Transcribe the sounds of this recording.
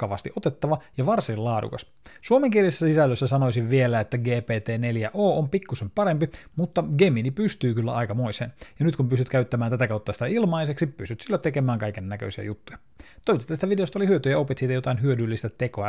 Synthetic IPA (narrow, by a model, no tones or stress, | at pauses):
kɑʋɑst̪iʔo̞t̪et̪ːɑʋɑjɑʋɑrsillɑːdṵkɑ̰s | suomeŋkieljisːæsisælːøsːæsɑno̞isiʋʋielæet̪ːæɡeːpeːt̪eːne̞ljæʔoːʔompikːusempɑɾempimut̪ːɑɡeminipyst̪yːkylːæ̰ɑikɑmoisḛːnjɑnyt̪kumpyst̪yt̪kæyt̪ːæmæːnt̪æt̪ækɑwt̪ːɑsi̥t̪æilmɑiseksippyst̪yt̪silːot̪ekemæːŋkɑikenːækø̰isiæ̰jut̪ːujɑ | t̪oiʋit̪et̪ːst̪æʋideost̪ɑolihyøt̪yjɑopet̪siːt̪æjot̪ɑinɦyødylːist̪æt̪ekoɑ